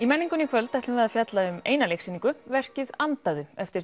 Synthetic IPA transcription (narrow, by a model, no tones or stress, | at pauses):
imɛnːiŋkʏnikʰvœlt̪ajt̪ɪvɛɾðafjat̪laʏmeːjnalejksiniŋkʏvɛr̥cɪðant̪aðʏɛft̪ɪɾ